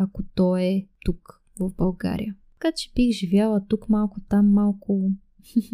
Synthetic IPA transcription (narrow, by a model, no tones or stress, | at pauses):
akot̪ɔɛt̪uk | vovbɐlˠɡa̰ɾḭjə | kat͡ʃɛ̥bixʒivjalˠɐt̪ukmalˠkʊt̪amːalˠkʊ